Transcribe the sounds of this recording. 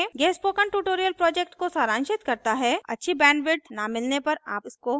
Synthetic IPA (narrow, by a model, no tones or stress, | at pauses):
ɡɛːspoːkəɳʈuːʈoːɾijəlpɾɔːd͡ʒek̚ʈkosaːɾãːnʃɪt̪kɐɾt̪aɦɛɐ̰tːʃʰibɛ̃ːɳɖʋɪɖ̪namɪlnepɐɾaːpɪsko